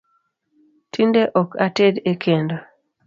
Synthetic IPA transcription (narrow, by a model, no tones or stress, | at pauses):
tindeʔɔkatedekʰendo